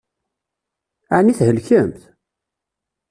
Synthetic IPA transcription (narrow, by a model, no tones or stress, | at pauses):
aniθhəlçəmθ